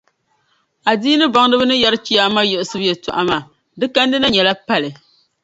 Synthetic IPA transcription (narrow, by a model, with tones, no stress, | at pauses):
a˨diː˦nɨ˦ba˨ŋ˦dɨ˦bɨ˦nɨ˦ja˦ɾɨ˦t͡ʃi˦ja˦ma˦jɛ˨ʔsɨ˦bɨ˦jɛ˨tʊ˨ʔa˨ma˨ | dɨ˦ka˦n˦dɨ˦na˦ɲɛ˨la˦pa˦lɨ˨